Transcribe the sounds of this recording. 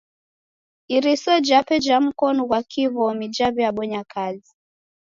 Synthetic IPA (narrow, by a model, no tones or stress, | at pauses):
iɾisɔd͡ʒapɛd͡ʒam̩kɔnɔɣwakʰiβɔmid͡ʒaβiaɓɔɲakʰazi